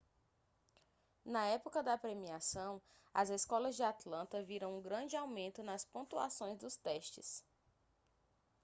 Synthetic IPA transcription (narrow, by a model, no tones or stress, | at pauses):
nɐɛpokɐd̪ɐpɾemiasɐ̃w̃ | ɐzeskɔlɐzd͡ʒɪat̪lɐ̃nt̪ɐviɾɐ̃w̃ũɡɾɐ̃d͡ʒɪawmẽnt̪ʊnɐspõt̪ua̰sõj̃zd̪ʊst̪ɛʃt͡ʃɪ̰s